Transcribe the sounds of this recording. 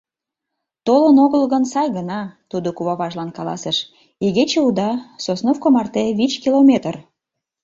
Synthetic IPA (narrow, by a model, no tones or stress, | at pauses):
t̪olənoɣəlɣənsɑjɣənɑt̪ud̪okuβɑβɑʒlɑnkɑlɑ̰səʃ | iɣet͡ɕeud̪ɑsosnofkomɑrt̪eβit͡ɕkilomʲet̪ər